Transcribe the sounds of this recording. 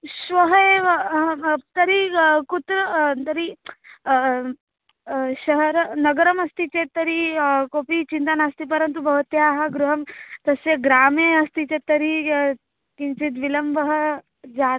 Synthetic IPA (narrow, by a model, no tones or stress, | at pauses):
sʋɐɦeʋ | t̪ɐɾikut̪ɾət̪ɐɾi | ɕɐɦɐɾnɐɡəɾɐmɐst̪it͡ɕet̪ɐɾikopit͡ʃint̪anast̪ipɐɾənt̪̬ubɐɦut̪jaɦɡɾuɦɐmt̪ɐseɡɾaːmeɐst̪it͡set̪ɐɾi | kint͡ʃit̪ʋilɐmbəɦə | d͡za